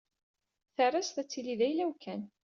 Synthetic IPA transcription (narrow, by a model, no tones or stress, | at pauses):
θərˤast̪æt͡sːiliðæjlæwkʰæn